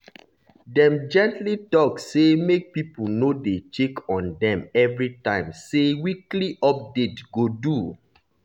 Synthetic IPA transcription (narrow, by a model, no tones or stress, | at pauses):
dɛ̃md͡ʒɛ̃ntlitɔksemek̚pipunodet͡ʃekɔ̃ndɛ̃mɛvɹitãɪ̃msewikliʔɔp̚detɡodu